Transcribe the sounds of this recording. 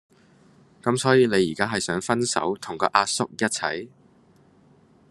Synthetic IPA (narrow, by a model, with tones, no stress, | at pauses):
kɐ˨˥msɔː˨˥jiː˨˧le˨˧jiː˨˩kaː˥ɦɐ˨jsœː˨˥ŋfɐ˥nsɐ̰˨˥wt̪ʰʊ˨˩ŋkɔː˧ʔaː˧t̚sʊ˥k̚jɐ˥t̚t͡sʰɐ̰˨˥j